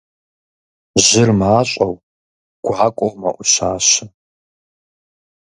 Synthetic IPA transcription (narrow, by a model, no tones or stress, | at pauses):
ʑɪrmaːɕʼɐw | ɡ̥ʷaːkʷʼowmɐ̰ʔʷʊɕaːɕɪ